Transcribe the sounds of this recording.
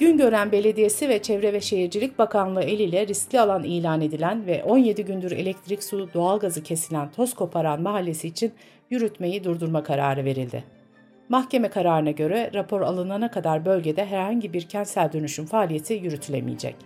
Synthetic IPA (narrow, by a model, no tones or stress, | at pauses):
ɟ̥ynɟø̞ɾænbe̞lʲe̞d̪ije̞sivɛt͡ʃʰɛvɾɛvɛʃe̞ɦiɾd͡ʒilʲic̚bakʰanlˠɯe̞lʲiːlʲɛɾisclʲialˠaniːlʲaːne̞d̪ilʲænvɛʔo̞nje̞d̪iɟynd̪yɾe̞̰lʲɛc̚t̪ʰɾicsud̪o̞alˠɡazɯcʰe̞silʲænt̪ʰo̞skʰo̞pʰaɾanmaɦalʲːe̞siːt͡ʃʰin | jyɾyt̪me̞jid̪uɾd̪uɾmakʰaɾa̰ːɾɯve̞ɾilʲd̪ɪ̰ | maxce̞mɛkʰaɾaːɾɯnaɟø̞ɾɛɾapʰo̞ɾa̰lˠɯnanakʰad̪aɾbø̞lʲɟe̞d̪ɛɦæɾhaɲɟibiɾcʰɛnt̪sælʲd̪ønyʃynfaːlʲije̞t̪ʰijyɾyt̪ʰylʲḛmḭjḛd͡ʒɛ̰c